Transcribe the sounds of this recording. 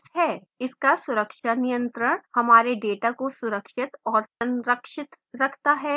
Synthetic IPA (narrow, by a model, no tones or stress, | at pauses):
ɦɛː | ɪskasʊɾəkʃanijə̃nt̪ɾəɽ̃hɐmaːɾeɖeːʈakosʊɾəkʃɪt̪ɔːɾsɐ̃nɾəkʃɪt̪ | ɾɐkʰt̪aɦɛː